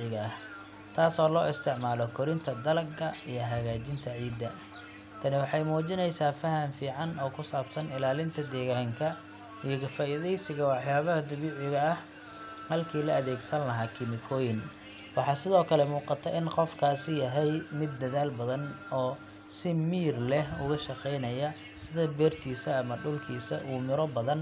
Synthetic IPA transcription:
ɪɣɐɐh | t̪ʰaːsɔːlɔːʔɪst̪ʰɪʕmaːlɔkʰɔɾɪnt̪ʰɐd̪ɐlɐɡɡɐijɞɦɐɣaːt͡ʃɪnt̪ʰɐʕiːd̪ːɐ | t̪ʰɐnɪwɑħɑjmuːt͡ʃɪnɛjsaːfɐɦɐmfiːʕɑnɔːkʰʊsaːbsɐnɪlaːlɪnt̪ʰɐd̪ɛːɣaːŋkʰɐ | ijɔkɐfaːʔɪððɛjsɪɣɐwɑħjaːβɐhɐd̪ʊβiːʕɪɣɐɐh | hɐlkʰiːlɐɐðɛːɡsɐnlɐɦaːkʰɪmɪkʰɔːjɪn | wɑħɑːsɪðɔːkʰɐlɛmuːqɑt̪ʰɐʔɪnqɔfkʰaːsɪjɐɦɛjmɪd̪ːɐðaːlbɐðɐnɔː | sɪmiːrlɛhʊ̰ɣɐʃɑqɛjnɐjɐ | sɪðɐbɛːrt̪ʰiːsɐːmɐɖʊlkʰiːsɐʔuːmɪɾɔbɐðɐn

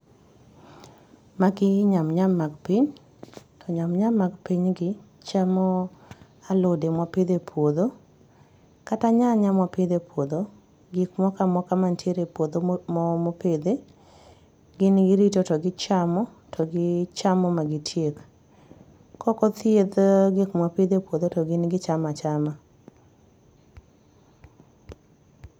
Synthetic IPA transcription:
maɡɪɲamɲamːaɡpiɲ | tɔɲamɲamːaɡpiɲɡɪ | t͡ʃamɔ | alodemwapid̪epʰwod̪o | kataɲaɲamwapɪd̪epʰwod̪o | ɡikmɔkamɔkamantjeɾepwod̪omɔmoped̪e | ɡɪnɡɪɾitotɔɡɪt͡ʃamɔ | tʰɔɡɪt͡ʃamɔmaɡɪtʰjek | kɔkɔt̪jed̪ɡikmwapid̪epwod̪otɔɡɪnɡɪt͡ʃamat͡ʃama

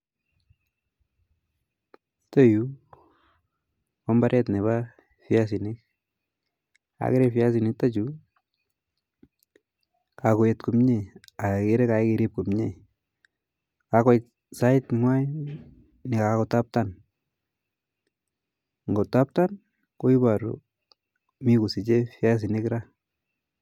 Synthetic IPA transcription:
toju | kɔmbaɾɛtneβa | fjas̬inɪk̚ | a̰keɾefjas̬inɪk̚tat͡ʃu | kakojetkumɲeakɪɾekakɪɾip̚kumɲe | kakɔj | saɪtŋwaj | nɪkakotap̚tan | ŋɡotap̚tan | koibaɾṵ | mikusit͡ʃefjas̬inɪkɾa

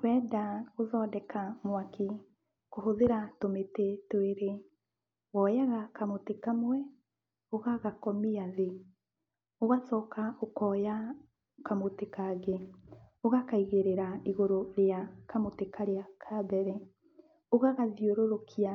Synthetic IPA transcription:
wɛdaoðɔdɛkʰamwaki | koɦoðeɾatometetweɾe | ɣɔjaɣakamotekamwɛ | oɣaɣakɔmiaðe | oɣasɔːkaokɔja | kamotekaɣe | oɣakaiɣeɾeɾaiɣoɾoɾeakamotekʰaɾeakʰabɛɾɛ | oɣaɣaðioɾoɾokʰia

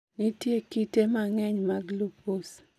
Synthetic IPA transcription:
nitjekitemaŋɛɲmaɡlupos

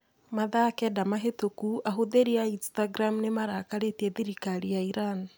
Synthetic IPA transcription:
maðakɛdamaɦetokuaɦoðeɾiainstaɡɾamnemaɾaːkaɾetiɛðiɾikaɾijaiɾani

